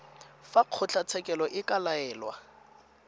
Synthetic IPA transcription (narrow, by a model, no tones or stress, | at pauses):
faq͡χʰʊt͡ɬʰat͡sʰɛkʼɛlɔʔɪkʼalaɛːlwa̰